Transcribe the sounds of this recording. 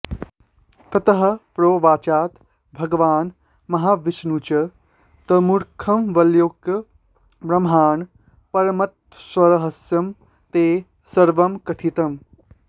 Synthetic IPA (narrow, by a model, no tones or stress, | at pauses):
t̪ɐt̪ɐɦɐ̆pɾoːʋaːt͡ʃaːt̪ | bʱɐɡʋaːn | mɐɦaːʋisnut͡ʃɐ | t̪əmuɾkʰɐmʋɐljok | bɾɐmɦaːn | pɐɾɐmɐt̪ | swɐɾɐɦɐsjɐm | t̪eː | sɐɾʋɐmkɐt̪ʰit̪ɐm